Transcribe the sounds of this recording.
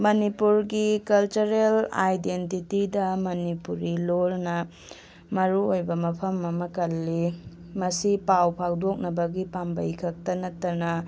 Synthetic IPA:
mɐnipuɾɡikɐlt͡ʃuɾela̰jdentitidɐmɐnipuɾilolnɐ | mɐɾuojbɐmɐpʰɐmɐmɐkɐlːi | mɐsipawpʰawdok̚nɐbɐɡipambɐjkʰɐk̚tɐnɐtːɐnɐ

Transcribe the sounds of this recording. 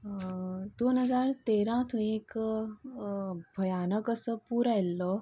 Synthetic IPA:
d̪oːnɦɐzaːɾt̪eːɾãːt̪ʰũeːk | bʱɐjaːnəkəsəpuːɾailːo

